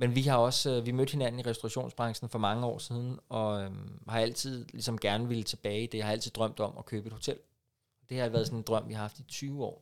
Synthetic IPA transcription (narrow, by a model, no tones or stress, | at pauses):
menʋiɦɑ̈ɒ̽sʋimød̥he̝næn̰n̩iʁɛsd̥oʁɑɕo̝̰ːnsb̥ʁɑ̈ŋsn̩fɒ̽mɑ̈ŋəɒ̰ːsiːð̞ˠn̩ɒ̽øhɑ̈æl̰t͡sʰið̞̰ˠlisɒ̽mɡ̥æɐnəʋe̝lət͡sʰe̝b̥ɛːɪid̥e̝jhɑ̈æl̰t͡sʰiðˠd̥ʁɶm̰d̥ɒ̽mɒ̽kʰøːb̥e̝d̥ho̝t͡sʰel̰ | ɒd̥e̝hɐæʋæːɐðˠsɒne̝nd̥ʁɶm̰ʋihɑ̈hɑ̈fd̥it͡sʰyːʊɒ̰ː